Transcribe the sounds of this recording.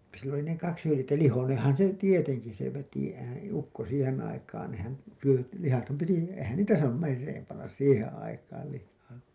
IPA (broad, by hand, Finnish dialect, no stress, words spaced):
silː oli ne kɑks hylĭjetːæ lihoneːẽhɑn se tieteŋki se ʋeti ehæn̞ ukːo siːhen ɑikɑːn nehæn syø lihɑthɑm piti eĭhæn niːtæ sɑːnum merːeːm pɑnːɑs siːhẽː ɑikɑːl lihːɑː